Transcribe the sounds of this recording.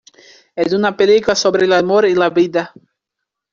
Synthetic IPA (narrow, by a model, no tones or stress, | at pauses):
ed̪unapelikulasobɾelamoɾilaβid̪a